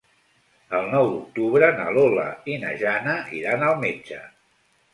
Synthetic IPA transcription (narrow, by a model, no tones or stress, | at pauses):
əlˠnɔwd̪uk̚t̪uβɾənəlolə̰inə̰ʒanəʔiɾanəlˠmed͡ʒə